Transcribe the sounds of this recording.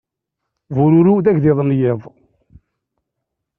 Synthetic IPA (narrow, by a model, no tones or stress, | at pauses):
vʊɾʊɾuðæçðɪðˤənjɪðˤ